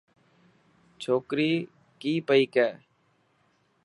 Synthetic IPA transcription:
t͡ʃʰoːkɾiː | kiːpəiːkɛː

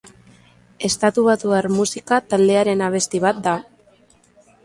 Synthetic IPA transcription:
e̞st̪at̪uβ̞at̪uaɾmusikat̪ald̪e̞aɾe̞naβ̞e̞st̪iβ̞at̪̚d̪a

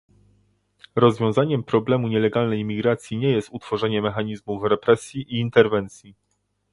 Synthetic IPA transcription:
ɾɔzvʲjɔ̃w̃zaɲɛmpɾɔblɛmuɲɛlɛɡalnɛjmʲiɡɾat̪sʲjiɲɛjɛst̪ut̪fɔʐɛɲɛmɛxaɲizmufɾɛpɾɛsʲjiʔiːnt̪ɛɾvɛnt̪sʲji

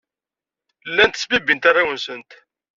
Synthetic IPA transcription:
lːænt̪ə̥sbibint̪arˤːawənsənt̪

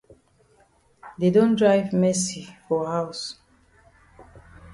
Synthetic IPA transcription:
dedɔ̃ndɹajvmɛsifɔhaws

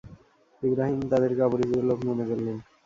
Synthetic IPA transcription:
ibɾaɦimt̪ad̪eɾɡaboɾibiolokmonebelːen

